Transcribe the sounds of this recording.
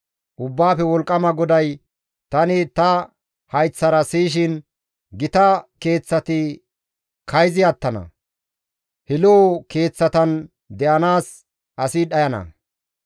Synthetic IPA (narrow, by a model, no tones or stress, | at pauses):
ʔʊbːaːfɛwɔlkʼːɐmɐɡɔd̪ɐj | t̪ɐnɪt̪ɐ | hɐjt͡sːɐɾɐsiːʃ̬ɪn | ɡɪt̪ɐke̞ːt͡sːɐt̪ɪ | kʰɐjzɪɐt̪ːɐnɐ̰ | hɪloːke̞ːt͡sːɐt̪ɐn | d̪ɛʔɐnaːs | ʔɐsɪɗɐjɐnɐ̰